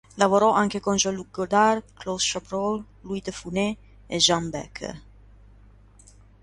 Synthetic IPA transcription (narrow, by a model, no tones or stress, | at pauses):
lavoɾɔʔaŋkekɔnd͡ʒaluɡod̪arklosʃabɾɔl | luid̪əfune | eʒambɛ̰kʰə̰